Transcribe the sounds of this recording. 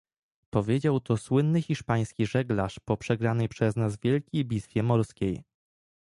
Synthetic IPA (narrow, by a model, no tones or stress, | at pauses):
pɔvʲjed͡ʑawt̪ɔswɘnːɘxʲiʂpaj̃skʲiʐɛɡlaʂpɔpʂɛɡɾanɛjpʂɛznazvʲjɛlkʲejbʲit̪fʲjɛmɔɾskʲej